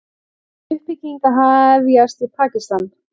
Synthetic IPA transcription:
ʏhpɪcːiŋkaɦaðɛvjast̪ipʰaːcist̪an

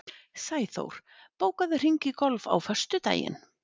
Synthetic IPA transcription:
saːjθo̰wɾ̥ | poːwkaðɪr̥iɲcɪkɔlva̰wfœ̥st̪ʏt̪a̰ːjɪ̰n

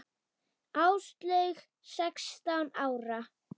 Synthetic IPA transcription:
awst̪lœɥx | sɛkst̪awnaːwɾa

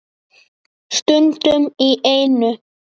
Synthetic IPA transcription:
st̪ʏnt̪ʏmiʔejnʏ

